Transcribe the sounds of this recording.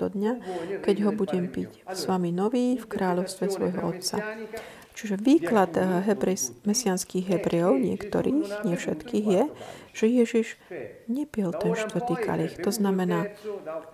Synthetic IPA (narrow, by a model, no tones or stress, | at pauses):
d̪ɔd̪ɲakɛɟɦɔbuɟɛmpicsʋaminɔʋiːfkɾaːʎɔʊst̪ʋɛsʋɔjɦɔɔt̪sa̰ | t͡ʃiʒɛʋiːklad̪ɦɛbɾɛsmɛsɪanskiːɣɦɛbɾɛjɔʊɲɪɛ̰kt̪ɔ̰ɾiːxɲɪɛfʃɛt̪kiːɣjɛʒ̥ɛjɛʒiʒɲɛpɪɛlt̪ɛnʃt̪ʋr̩t̪iːka̰ʎixt̪ɔznamɛnaː